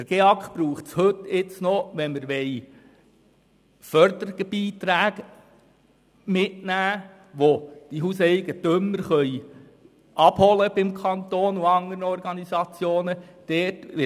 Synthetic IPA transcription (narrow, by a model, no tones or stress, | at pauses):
d̥əɾɡ̥eɑkχb̥ɾuːχtshɵtːɪt͡snɔʋɛnməɾʋɛɪ | fœɾd̪əɾɪɡ̥əb̥iːtɾæːɡ | mɪtnæː | ʋod̥iɦusɛɪɡətʏmːəɾχœʏ | ʔɑb̥hɔləb̥ɪmkʰɑnt̪oːnuɑŋəɾəɔɾɡɑnisɑt͡sjoːnəd̥ɛːtʋɪ